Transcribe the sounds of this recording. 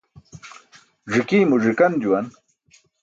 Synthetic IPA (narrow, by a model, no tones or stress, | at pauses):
ʐikiːmuʐikɐnd͡ʑuwɐn